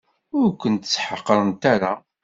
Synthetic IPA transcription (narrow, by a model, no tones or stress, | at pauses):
ʊɾkʷənt̪ə̥t͡sːħəqːəɾˤənt̪aɾa